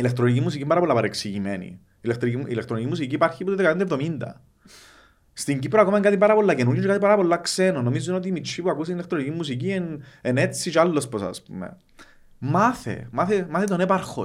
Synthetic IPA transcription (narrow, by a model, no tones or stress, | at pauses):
ilek̚t̪ɾonicimːusicimbaɾɐpolːapɐɾeksiʝimenḭ | ilekt̪ɾiiḭlekt̪ɾonicimːus̬iciːpaɾçiput̪oðekapnd̪ɐevðo̞mind̪ɐ̰ | st̪iɲɟipɾoakomɐeŋkat̪ipaɾɐpolːacenuɾjot͡ʃeat̪ipaɾɐpo̞lːaksenonːomizːunot̪iːmit͡ʃʰːipuakusinilek̚t̪ɾonicimːusic̬ienenet͡sːit͡ʃealːo̞sposa̰spṵmḛ | maθḛmaθemaθet̪o̞nepɐɾxo̰